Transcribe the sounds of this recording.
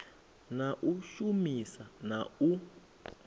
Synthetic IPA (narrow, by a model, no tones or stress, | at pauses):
naʔuʃumisanau